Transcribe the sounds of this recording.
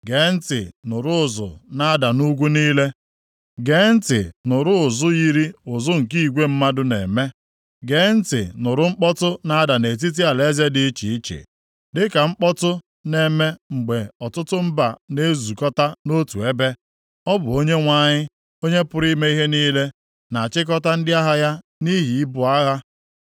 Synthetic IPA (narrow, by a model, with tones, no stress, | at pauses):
ɡe˨˦n̩˦tɪ̰˨nʊ˨ɾʊ˦ʊ˨zʊ̰˨na˦da˨nu˦ɡʷu˦niː˦le˦ | ɡe˨˦n̩˦tɪ̰˨nʊ˨ɾʊ˦ʊ˨zʊ˦ji˦ɾi˦ʊ˨zʊ˦ŋ̩˨ki˦i˨ɡʷe˦m̩˦ma˦dʊ˦nḛ˨me˦ | ɡe˨˦n̩˦tɪ̰˨nʊ˨ɾʊ˦ŋ͡m̩˦k͡pɔ˦tʊ˦na˦a˦da˨ne˨t̬i˦t̬i˦a˨le˦ze˦dɪ˦t͡ʃḭ˨i˦t͡ʃḛ˨ | dɪ˦ka˨ŋ͡m̩˦k͡pɔ˦tʊ˦ | ne˨me˦ŋ͡m̩˨ɡ͡be˨ɔ˨tʊ˦tʊ˦m̩˦ba̰˨ne˦zu˨kɔ˦ta˦no˦tu˨e˦be˦ | ɔ˦bʊ˨o˦ɲe˦ŋʷa˦˨ɲɪ˦ | o˦ɲe˦pʊ˦ɾi˦me˦i˦ɦe˦niː˦le˦ | na˨a˨t͡ʃɪ˦k̬ɔ˦ta˦n̩˦dɪ˦a˦ɦa˦ja˦ | ni˦ɦi˨i˦bʊ˨a˦ɣa˦